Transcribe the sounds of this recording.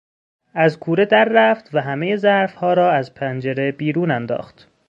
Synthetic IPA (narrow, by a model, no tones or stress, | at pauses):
ʔæzkʰuːɾe̞d̪æɾːæft̪væɦæmejezæɾfhɒːɾɒːæzpʰænd͡ʒeɾe̞biːɾuːnænd̪ɒ̰ːxt̪